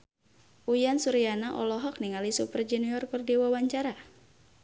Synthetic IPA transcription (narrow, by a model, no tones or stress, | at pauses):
ʔujansuɾianaʔɔ̰lɔɦɔk̚niŋalisupərd͡ʒɛniɔrkɨrdiwawaɲt͡ʃaɾa